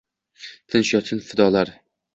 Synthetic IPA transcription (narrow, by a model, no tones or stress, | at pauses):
t̪ʰɪnʃjɒt̪ʰɪnfɪd̪ɒlaɾ